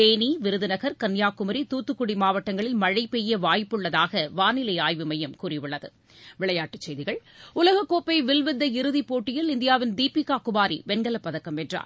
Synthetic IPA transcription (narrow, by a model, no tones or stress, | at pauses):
eːniʋɪɾɯðɯnɐɣɐɾkɐnjaːkːʊmɐɾit̪uːt̪ːɯkːʊɽimaːʋɐʈːɐŋɡɐɭɪlmɐɻɐɪpːɛjːɐʋaːjpːɯɭːɐðaːɣɐʋaːnɪlɐɪaːjʋɯmɐjɐmkuːrɪʋɯɭːɐðɯ̰ | ʋɪɭɐjaːʈːɯt͡ʃːɛɪjðɪɣɐɭʊlɐɣɐkːoːpːɐɪʋɪlʋɪd̪ːɐɪɾɯðipoːʈːɪjɪlɪnd̪ɪjaːʋɪnd̪iːpikaːkʊbaːɾḭʋɛnɡɐlɐpːɐðɐkːɐmɛʈra̰ːɾ